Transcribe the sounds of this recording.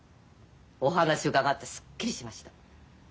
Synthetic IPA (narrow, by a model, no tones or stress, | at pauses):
o̞hanaɕiokaɡat̪ːe̞sɨ̥kːiɾʲiɕimaɕi̥t̪ḁ